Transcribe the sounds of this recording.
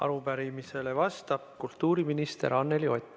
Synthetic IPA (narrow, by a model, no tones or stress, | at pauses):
ʔɑ̰ɾupæɾimise̞le̞vɑst̪ɑb̥̚kult̪ːˑuːɾiminist̪e̞̰ɾɑnːe̞lio̞t̪ʲː